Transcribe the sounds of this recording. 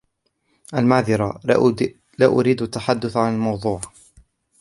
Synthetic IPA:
ʔalmaʕðɪɾɑ | laːʔʊɾiːd̪at̪ːaħad̪ːʊθʕanalmɑwðˤuːʕ

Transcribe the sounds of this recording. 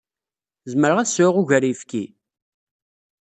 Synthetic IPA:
zməɾʁæðsʊʁuʝəɾifki

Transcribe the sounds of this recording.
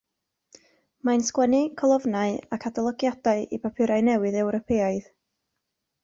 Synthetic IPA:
manskwɛnɨkʰɔlˠɔvnaɨakʰatalˠɔɡjadaɨʔipapʰɪɾaɨnɛwɨðɛwɾɔpʰeːaɨð

